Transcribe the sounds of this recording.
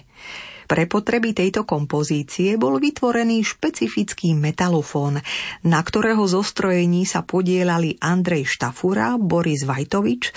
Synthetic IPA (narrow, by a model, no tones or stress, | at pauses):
pɾɛpɔt̪ɾɛbit̪ɛjt̪ɔkɔmpɔziːt͡siɛbɔlʋit̪ʋɔɾɛniːʃpɛt͡sifit͡skiːmɛt̪alɔfɔːnːakt̪ɔɾɛːɦɔzɔst̪ɾɔjɛɲiːsapɔɟɪɛlaliʔand̪ɾɛjʃt̪afuɾa̰bɔɾizʋajt̪ɔʋit͡ʃ